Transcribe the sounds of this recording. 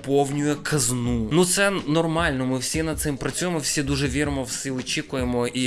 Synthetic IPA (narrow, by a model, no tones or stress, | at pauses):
pownʲʊjʊkʰɐznunut̪sɛnɔrmalʲnɔmɨfsʲenɐd̪̚sɛmpɾɐt̪sʲujɪmfsʲed̪uʐɛʋʲeɾmɔfsiɔt͡ɕikʊjɪmɔi